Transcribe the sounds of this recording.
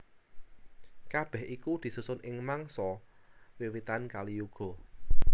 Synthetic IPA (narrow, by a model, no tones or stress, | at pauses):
kab̥ɛ̤hʔikud̪̥i̤susʊnʔɪŋmaŋsɔwiwit̪ankaliuɡ̥ɔ̤